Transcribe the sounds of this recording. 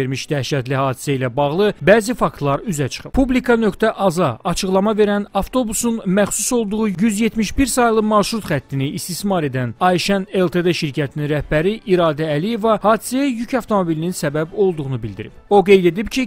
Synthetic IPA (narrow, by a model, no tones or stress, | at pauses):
eɾmiʃd̪̥æʃæt̪lihɑːd̪i̥sæilæbɑʁlˠɯbæːzifɑkt̪lˠɑɾyzæt͡ʃʰɯ̥χɯ̥pʰublikʰɑnø̞kt̪æʔɑzɑɑt͡ʃʰɯχlˠɑmɑve̞ɾænɑft̪ʰo̞busunmæχsuso̞lˠd̪uʁujyzje̞t̪ʰmiʃbiɾsɑjlˠɯmɑʃɾut̪χæt̪ʰːiniːst̪ismɑɾe̞d̪ænɑjʃæne̞lˠt̪ʰed̪eʃiɾcʰæt̪ʰininɾæhbæɾiʔiɾɑːd̪æːlije̞vɑhɑːd̪i̥sæjæjycʰɑft̪ʰo̞mo̞bilininsæbæbo̞lˠd̪uʁunubild̪iɾḭpo̞ɡe̞jd̪e̞d̪ipcʰi